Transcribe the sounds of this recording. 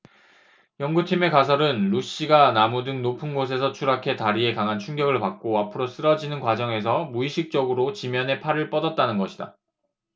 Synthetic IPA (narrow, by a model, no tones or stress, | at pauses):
jʌŋɡut͡ɕʰime̞kas̬ʰʌɾɯnɾuɕ͈iɡanamudɯŋnopʰɯnɡosʰe̞sʰʌt͡ɕʰuɾakʰe̞taɾie̞kaŋɦant͡ɕʰuŋɡjʌɡɯɭpak̚k͈oapʰɯɾos͈ɯɾʌd͡ʑinɯnkwad͡ʑʌŋe̞s̬ʰʌmuiɕʰik̚t͡ɕ͈ʌɡɯɾot͡ɕimjʌne̞pʰaɾɯɭp͈ʌdʌt̚t͈anɯnɡʌɕʰida̰